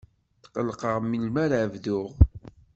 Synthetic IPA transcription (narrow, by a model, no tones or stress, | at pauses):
θqəlːqəʁmilmæɾʕəvðʊʁ